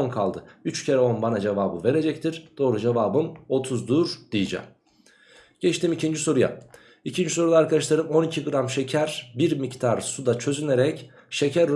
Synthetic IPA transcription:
nkʰalˠd̪ɯyt͡ʃcʰe̞ɾɛo̞nbanad͡ʒevaːbɯve̞ɾe̞d͡ʒɛc̚t̪ʰiɾd̪̥o̞ːɾud͡ʒevaːbɯno̞t̪ʰuzd̪uɾd̪̥ijid͡ʒa̰ | ɟ̥ɛt͡ʃt̪ʰimicʰind͡ʒiso̞ɾuja̰ | icʰind͡ʒiso̞ɾulˠaːɾkad̪aʃlˠaɾɯmo̞nicʰiɡɯɾamʃecʰæɾbiɾmict̪ʰaɾsud̪at͡ʃʰø̞zyne̞ɾɛc | ʃe̞cʰæɾ

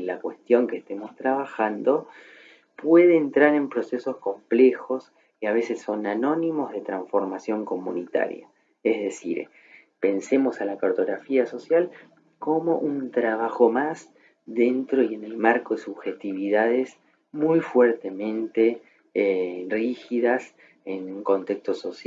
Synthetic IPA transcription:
lakwe̞st̪jo̞ŋkest̪emo̞st̪ɾaβaxand̪o̞ | pweðeːnt̪ɾaɾe̞mpɾo̞sesosko̞mplexo̞s | keaβ̞e̞sesːo̞nano̞nimo̞zðe̞t̪ɾaɱfo̞ɾmasjo̞ŋko̞munit̪a̰ɾja̰ | ezðe̞sḭɾ | pe̞nse̞mo̞salakaɾt̪o̞ɣɾafiaso̞sjal | ko̞mo̞ʔunt̪ɾaβaxo̞mas | ðe̞nt̪ɾo̞ie̞ne̞lmaɾko̞ðesuβxe̞t̪iβiðaðes | mujfweɾt̪e̞mẽ̞nt̪e | rixiðas | enuŋko̞nt̪e̞kst̪o̞sos

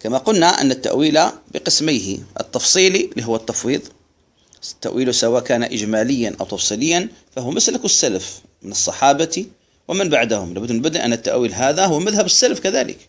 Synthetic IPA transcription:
kamaqʊlnaʔa̰nːat̪ːa̰ʔwiːlabɪqɨsmɪjhɪ̰ʔɨ̰t̪ːɑfsˤiːliliɦʊwːat̪ːɑfwiːðˤ | t̪ːa̰ʔwiːlusawaːʔkaːnaʔɪd͡ʒmaːlɪjːanʔa̰wt̪ɑfsˤiːlɪjːanfahʊwmaslakusːalaf | mɪnɨsˤːɑħɑːbat̪i | wʔɪmɪnbaʕd̪ahʊmlabʊd̪nbʊd̪iʔanːat̪ːa̰ʔwiːlɦaːðaɦʊwmaðhabɪsːalafkaðaːlɪ̰k

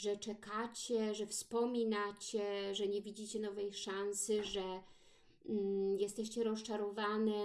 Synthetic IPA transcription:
ʐɛt͡ʂɛkat͡ɕɛʐɛfspɔmʲinat͡ɕɛʐɛɲɛvʲid͡ʑit͡ɕɛnɔvɛjʂansɘʐɛ | jɛst̪ɛɕt͡ɕɛɾɔst͡ʂaɾɔvanɛ

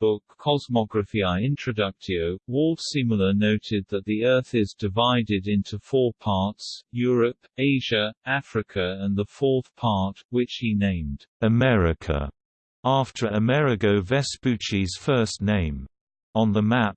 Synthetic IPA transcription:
b̥ʊkʰːɑzmɑɡɹɨfiaɪɪ̃nt͡ʃɹ̥ɨdʌk̚tʰioʊwʊlˠfsɪ̃ml̩ˠənoʊɾɪd̪̚ðət̪̚ðiɜ˞θɪzdɨvaɪɾɪɾɪ̃ntʰufɔɹpʰɑɹtsjɔɹɨp | eɪʒ̥ɨæfɹɨkʰɨə̃nðəffɔɹˑθpʰɑɹt̚wɪt͡ʃhinẽɪ̃md̥ɨmɛɹɪkʰə̰ | ɑftʰə˞əmɛɹɨɡoʊvɛspʉt͡ʃiz̥fɜ˞sⁿnẽɪ̃m | ə̃nðəmæp̚

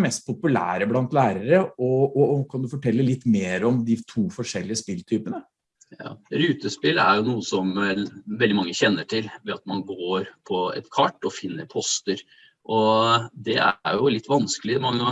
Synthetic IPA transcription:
mɛst̪̚pʰʊpʉlæ̰ːɾəblɑnt̪læːɾəɾəɔɔkʰɑnd̪ʉfɔʈʰɛlːəlɪt̪ːmeːɾɔmd̪ɪt̪ʰuːfɔʂɛlːɪəspɪlt̪ʰyːpənə | jɑ̰ːɾʉːt̪əspɪlæ̰ɾjʊnuːəsɔmʋɛld̪ɪmɑŋːəçɛnːəʈʰɪlʋɛɑt̪mɑnɡoːɾpʰɔɛ̰t̪kʰɑʈːɔfɪnːəɾpʰɔst̪əɾ | ʔɔd̪ɛæ̰ɾjʊlɪt̪ːʋɑnskəlɪmɑŋːə

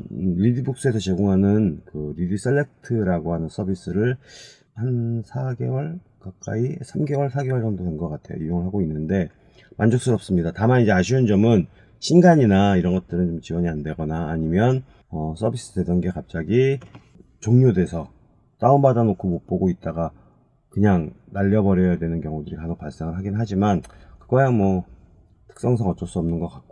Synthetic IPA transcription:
ɾidibuk̚s͈ɯe̞sʰʌt͡ɕe̞ɡoŋɦanɯnkɯɾidis͈elːe̞k̚tʰɯɾaɡoɦanɯns͈ʰʌbis͈ɯɾɯɭ | hansʰaɡe̞̰wʌɭ | kak̚k͈a̰isʰamɡe̞wʌɭsʰaɡewʌɭd͡ʑʌŋdotʰenɡʌk͈atʰe̞jo̰ijoŋɯɭɦaɡoinːɯnde̞ | mand͡ʑok̚s͈ɯɾʌp̚s͈ɯmɲidatamanid͡ʑe̞aɕʰiund͡ʑʌmɯn | ɕʰinɡaɲinaiɾʌnɡʌt̚t͈ɯɾɯnt͡ɕomt͡ɕiwʌɲiande̞ɡʌnaːɲimjʌn | ʌsʰʌbʱis͈ɯdwe̞dʌnɡe̞kap̚t͡ɕ͈aɡi | t͡ɕoŋɲode̞sʰʌ | s͈aumbadanokʰomok̚p͈oɡoit̚t͈aɡa | kɯɲaŋnaʎːʌbʌɾjʌjadwe̞nɯnkjʌŋudɯɾikamʌk̚paɭs͈eŋɯɭɦaɡinɯɭɦad͡ʑimankɯɡʌjaŋmwʌ | tʰɯ̥ks͈ʌŋs̬ʰaŋʌt͡ɕ͈ʌs͈uʌmnɯnɡʌk͈ak̚k͈o

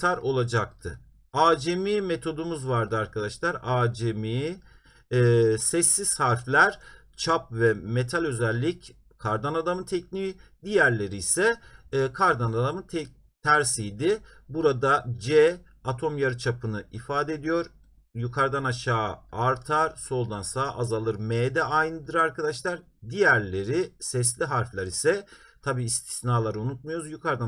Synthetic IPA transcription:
aɾo̞lˠad͡ʒak̚t̪ʰɯ̰ | aːd͡ʒemiːme̞t̪ʰo̞d̪umuzvaɾd̪ɯaɾkʰad̪aʃlˠaɾaːd͡ʒemi | sɛsːiz̥haɾflʲæɾ̥ | t͡ʃʰap̚vɛme̞t̪ʰalʲø̞zælʲːic | kʰaɾd̪anad̪amɯnt̪ʰɛcniːd̪ijæɾlʲe̞ɾiːsɛːkʰaɾd̪anad̪amɯt̪ʰɛ | t̪ʰæɾsijd̪ɪ | buɾad̪ad͡ʒɛ | at̪ʰo̞mjaɾɯt͡ʃʰapʰɯnɯifaːd̪ed̪ijo̞ɾ | jukʰaɾd̪anaʃaːaɾt̪ʰaɾ̥so̞lˠd̪ansaʔazalˠɯɾmeːd̪ɛʔajnɯd̪ɯɾaɾkʰad̪aʃlˠaɾ | d̪ijæɾlʲe̞ɾisɛs̬lʲiɦaɾflʲˠaɾisɛ | t̪ʰabiːst̪ʰi̥snaːlˠaɾɯunut̪̚majo̞ɾuzjukʰaɾd̪a

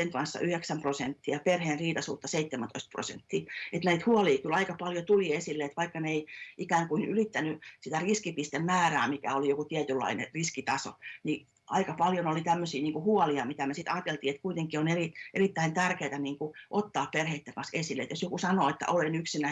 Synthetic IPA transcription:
eŋkɑnsːɑ̰ʔyheksæmprosent̪ːiɑperheːnriːt̪ɑsṵːt̪ːɑseit̪ːemænt̪o̰ist̪̚pro̰sḛnt̪ːiːet̪næit̪huɔliːkylɑikɑpɑljot̪uliesilːeet̪ʋɑikːɑneeiʔikæːŋkuinylit̪ːænysit̪æriskipist̪emmæːræːmikæ̰olijokut̪iæt̪ylːɑ̰inḛriskit̪ɑso̰ni | ɑikɑpɑljonolit̪æmːøsiːniːŋkuhuɔliɑmit̪æmesit̪ɑːt̪elt̪iːet̪kuit̪eŋkioneriʔerit̪ːæint̪ærkeːt̪æniːŋkuʔot̪ːɑːpperheit̪ːeŋkɑ̃nsesilːet̪josjokusɑnoːet̪ːæ̰ʔolenyksinæ

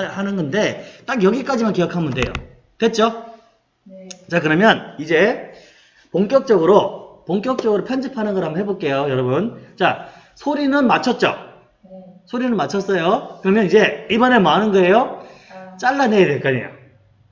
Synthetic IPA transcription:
hanɯnɡʌnde̞t͈akjʌɡik͈ad͡ʑimankejʌkʰamɯnde̞̰jo̰ | twe̞t̚t͡ɕ͈o | t͡ɕakɯɾʌmjʌnid͡ʑe̞ | poŋk͈jʌk̚t͡ɕ͈ʌɡɯɾopoŋk͈jʌk̚t͡ɕ͈ʌɡɯɾopʰjʌnd͡ʑipʰanɯnɡʌɦambʌhɦebok͈e̞jojʌɾʌbunt͡ɕa | sʰoɾinɯnmat͡ɕʰʌt̚t͡ɕ͈o̰ | sʰoɾinɯnmat͡ɕʰʌs͈ʌjokɯɾʌmjʌnid͡ʑe̞ibʌnemanɯnɡʌe̞jo | t͡ɕ͈aɭːanejedweɭk͈aɲḭjo̰

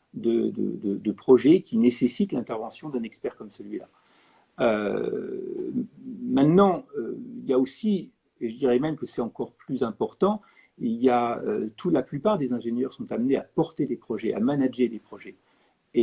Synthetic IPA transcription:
d̪əd̪ə̰d̪əd̪əpχɔʒɛkʲinesesit̪lɛ̃t̪ɛʁvɑ̃sjɔ̃d̪ɛ̃nɛkspɛʁkɔmsəlɥila̰ | ø | mɛ̃t̪nɑ̃øiljaosi | eʒəd̪iʁɛmɛmkəsɛt̪ɑ̃kɔʁplyzɛ̃pɔʁt̪ɑ̃ | iljaø̰t̪ʰulaplypaʁd̪ezɛ̃ʒenjœʁsɔ̃t̪amneapɔʁt̪ed̪epχɔʒɛʔa̰manaʒed̪epχɔʒɛ | e

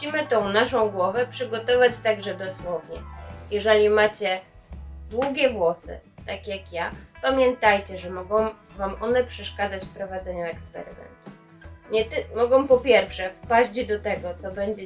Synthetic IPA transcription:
ɕimɘt̪ɔ̃w̃naʂɔ̃w̃ɡwɔvɛpʂɘɡɔt̪ɔvat͡ɕt̪aɡʐɛd̪ɔswɔvɲɛjɛʐɛlʲimat͡ɕɛ | d̪wuɡʲɛvwɔsɘ̰t̪akʲjakjapamʲjɛnt̪ajt͡ɕɛʐɛmɔɡɔ̃w̃vamʔɔnɛpʂɛʂkad̪zat͡ɕfpɾɔvad̪zɛɲuɛkspɛ̰ɾɘ̰mɛ̰nt̪u | ɲɛt̪mɔɡɔ̃w̃pɔpʲjɛɾfʂɛfpaʑd͡ʑd̪ɔt̪ɛɡɔt̪sɔbɛɲd͡ʑɛ

